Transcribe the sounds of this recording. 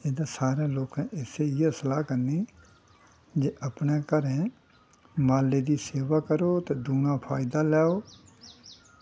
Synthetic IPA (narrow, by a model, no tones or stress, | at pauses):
ed̪aːsaːɾẽːloːkɛ̃ːʔɪseːɪesəlaːkəniː | d͡ʒeːʔəpnẽːkəɾɛ̃ː | maːlːeːd̪iːseːʋaːkəɾoːt̪eːd̪uːnãːpʰaːɪd̪aːlɛːoː